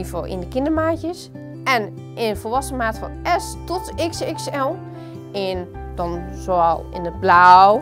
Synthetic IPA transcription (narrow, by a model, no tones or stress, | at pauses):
ifo̰ʔɪ̰ndəkɪndəmaːtjəs | ɛn | ʔɪnfɔlˠʋasəmaːtfɔ̰nɛstɔtɪksɪksɛlˠ | ɪn | d̥ɔnzoalˠɪ̰ndəblaw